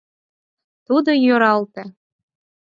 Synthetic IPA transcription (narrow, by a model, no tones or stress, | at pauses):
t̪ud̪ojoɾɑlt̪ĕ